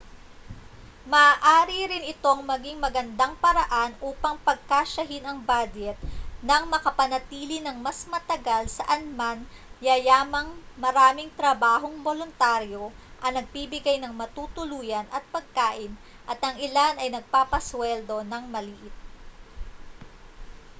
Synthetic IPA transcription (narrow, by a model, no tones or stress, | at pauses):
mɐʔaːʔaːɾiɾɪnɪt̪o̞ŋmɐɡiŋmɐɡɐnd̪aŋpɐɾɐʔanʔuːpɐŋpɐɡ̚kaʃɐɦɪnɐŋbad͡ʒɛt̪̚nɐŋmɐkɐpɐnɐt̪iːlɪnɐŋmɐsmɐt̪ɐɡalsɐʔɐnmanjajaːmɐŋmɐɾaːmɪŋt̪ɾɐbaːɦo̞ŋbolʊnt̪aɾjo̞ʔɐnɐɡ̚bibɪɡajnɐŋmɐt̪uːt̪ʊluːjɐnɐt̪̚pɐɡ̚kaːʔɪn | ʔɐt̪ʔɐŋɪlanɐjnɐɡ̚paːpɐswɛld̪o̞nɐŋmɐliːʔɪt̪̚